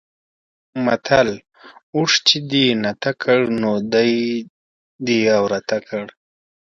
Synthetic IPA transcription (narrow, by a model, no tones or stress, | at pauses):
mat̪ʰal | uʂt͡ʃid̪inat̪akʰəɽnod̪aj | d̪iawɾat̪akʰəɽ